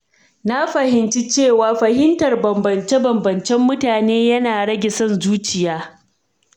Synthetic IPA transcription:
na˦ɸɐ˨hɪ˨nt͡ʃi˦t͡ʃeː˦˨waː˦ɸɐ˨hɪ˦ntɐ˨rbɐ˨mbɐ˨nt͡ʃe˦bɐ˨mbɐ˨nt͡ʃɛ˦mːʊ˦taː˨neː˦jɐ˦naː˨ɽɐ˦ɡʲɪ˨sɐ˦˨nzuː˦t͡ʃɪ˨jaː˦

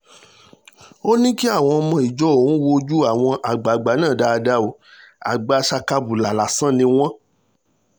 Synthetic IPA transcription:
o˦nĩ˦ki˦a˦˨w̃ɔ̃˧mɔ̃˧i˨d͡ʒɔ˨˦o˨ũ˦wo˧d͡ʒu˦a˦˨w̃ɔ̃˧ʔa˨ɡ͡ba˨ɡ͡ba˨˦nã˦˨da˧˨˧da˦o˨˦a̰˨ɡ͡ba˧˦ʃa˧ka˧bu˨la˨la˨sã˦˨nĩ˧w̃ɔ̃˦

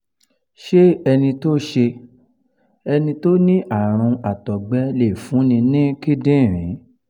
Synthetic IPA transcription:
ʃe˦ɛ˧nĩ˧to˦ʃe˧ | ɛ˧nĩ˧to˦nĩ˦ʔa˦˨ɾ̃ũ˧a˨tɔ˨ɡ͡bɛ˦le˨fũ˨˦nĩ˧nĩ˦ki˦dĩ˦˨ɾ̃ĩ˨˦

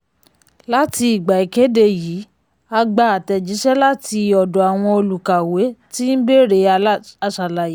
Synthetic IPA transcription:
la˦ti˧i˨ɡ͡ba˨i˨ke˨˦de˧˨jiː˨˦ | a˧ɡ͡ba˧˨a˨tɛ˨d͡ʒi˨˦ʃɛ˦la˦ti˧ɔ˨dɔ˨a˨w̃ɔ̃˧o˧lu˨ka˨we˨˦ti˦n̩˦be˦˨ɾe˧a˧˨ʃa˨la˨je˨˦

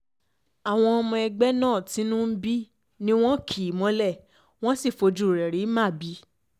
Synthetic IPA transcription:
a˨w̃ɔ̃˧ɔ˧mɔ̃˧ɛ˧ɡ͡bɛ˦nãː˦˨tĩ˨˦nũ˦m̩˦bi˦ | nĩ˦w̃ɔ̃˦kʰi˨mɔ̃˧˦lɛ˦˨ | w̃ɔ̃˦si˦˨fo˧d͡ʒu˨˦˨ɾɛ˨ɾi˨˦mã˦˨bi˨˦

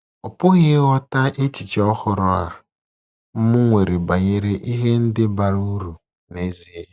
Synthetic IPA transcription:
ɔ˨pʊ˦ɣɪ˦ɣɔ˦ta˦ʔe˦t͡ʃi˨t͡ʃɔ˦hʊ˨ɾʊ˦a̰˨ | m̩˦mʊ˦ŋʷe˨ɾe˨ba˨ɲe˨ɾe˦ʔi˦ɦe˦n̩˦dɪ˦ba˨ɾu˦ɾu˨ | ne˦zi˦e˨

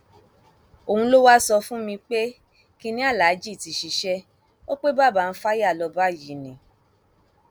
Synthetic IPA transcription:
o˨ũ˧lo˦wa˦sɔ˧fũ˦mĩ˧k͡pe˦ | ki˧nĩ˦a˦˨la˨˦d͡ʒi˦˨ti˨ʃi˧˦ʃɛ˦ | o˦k͡pe˦ba˦˨ba˧˨n̩˧˦fa˦ja˦˨lɔ˧ba˦˨ji˨nĩ˨

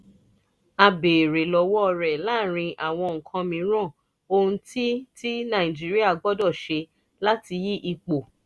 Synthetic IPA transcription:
a˧be˨ɾe˨lɔ˨˧wɔ˦˧ɾɛ˨la˦˨ɾ̃ĩ˧ʔa˨w̃ɔ̃˧ŋ̩˨kʰã˧mĩ˧˦ɾ̃ã˦˨ | o˧ũ˧ti˦ti˦nã˨˦˨ĩ˨d͡ʒi˦ɾi˦a˦˨ɡ͡bɔ˦dɔ˦˨ʃe˧ | la˦ti˧ji˦ʔi˧k͡po˨

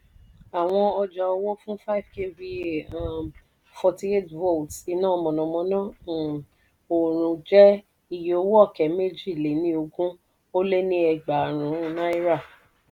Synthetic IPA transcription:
a˨w̃ɔ̃˧ɔ˧d͡ʒa˧ɔ˧wɔ˦fũ˦fa˦i˨vke˦vi˦˨a˦˨ | fɔ˧ti˧e˦˨tvo˦˨ti˧nãː˦˨˧mɔ̃˨nɔ̃˨mɔ̃˨˦nã˦˨ | o˨ɾ̃ũ˧d͡ʒɛ˦ | i˦˨je˨o˨˦wɔ˦˨kɛ˨˦me˦d͡ʒi˦˨le˨˦nĩ˧˦o˧ɡũ˦ | o˦le˦nĩ˦ɛ˧ɡ͡ba˨ɾ̃ũ˨˦na˦i˦ɾa˦˨

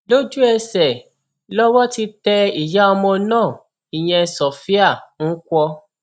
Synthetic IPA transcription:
lo˦d͡ʒu˦ɛ˧sɛ˨ | lɔ˦wɔ˦ti˧tɛ˧i˨ja˦ɔ˧mɔ̃˧nãː˦˨ | i˨ɲ̃ɛ̃˧sɔ˨fi˦a˦˨ŋ̩˦kʷɔ˧

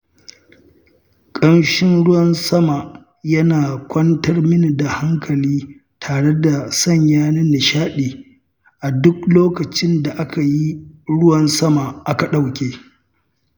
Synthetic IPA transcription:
kʼɐ˦nʃɪ˦nɽʊ˦wɐ˨nsɐ˦ma˨ | jɐ˦naː˨kʷʰɐ˦ntɐ˦rmɪ˦ni˨da˨ha˦ŋkʰɐ˨liː˦ | tʰaː˨ɽe˦da˨sɐ˦˨ɲjaː˦nɪ˦nɪ˨ʃaː˦ɗeː˨ | ʔa˨dʊ˦k̚loː˦kɐ˨t͡ʃɪ˦nda˨ʔa˦ka˨ji˦ɽʊ˦wɐ˨nsɐ˦ma˨ʔa˦ka˨ɗa˦wkʲeː˨

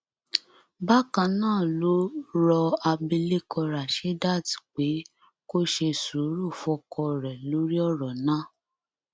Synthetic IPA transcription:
ba˦kã˧nãː˦˨lo˦ɾɔ˧a˧bi˧le˦kʰɔ˧ɾa˨ʃe˨˦da˦˨ti̥˨k͡pe˨˦ | ko˦ʃe˧su˨˦ɾu˦˨fɔ˧˦kɔ˧˨ɾɛ˨lo˨˦ɾi˦ɔ˦ɾɔ˨nã˦˨

